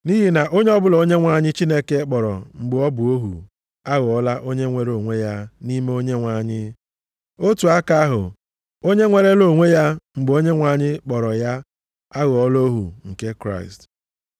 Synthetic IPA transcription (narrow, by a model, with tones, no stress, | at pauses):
ni˦ɦi˨na˨ʔo˦ɲe˦ɔ˦bʊ˦lɔ˨o˦ɲe˦ŋʷa˨ɲɪ˦t͡ʃi˦ne˦ke˦k͡pɔ˨ɾɔ̰˨ŋ͡m̩˨ɡ͡bʊ˨ɔ˦bʊ˨o˦ɦṵ˨ | a˦ɣʊ˨ɔ˦la˦ʔo˦ɲe˦ŋʷe˦ɾo˨ŋʷe˦ja˦ni˦me˦o˦ɲe˦ŋʷa˨ɲɪ˦ | o˦tu˨a˦ka˦ɦʊ̰˨ | o˦ɲe˦ŋʷe˦ɾe˦lo˨ŋʷe˦ja˦ŋ͡m̩˨ɡ͡bʊ˨o˦ɲe˦ŋʷa˨ɲɪ˦k͡pɔ˨ɾɔ˨ja˦ | a˦ɣʊ˨ɔ˦lo˦ɦṵ˨ŋ̩˨ke˦kɾa̰˦˨ɪ˨st